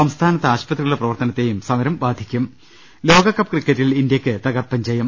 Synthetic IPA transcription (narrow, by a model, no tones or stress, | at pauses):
sɐmst̪ʰaːnɐt̪ːɐaːɕpɐt̪riɣɐɭɽeprɐʋɐrt̪ɐnɐt̪ːejumsɐmɐɾɐmbaːd̪ʱikʲːum | lo̞ːɡɐkːɐpːkrikːɐtːilind̪jɐkʲːɨt̪ɐɣɐrpɐɲd͡ʑɐːjɐm